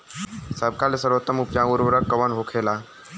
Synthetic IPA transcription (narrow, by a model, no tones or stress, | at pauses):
səb̚kalesəɾʋət̪ːəmupt͡ʃãuɾʋəɾəkːəʋənɦokʰela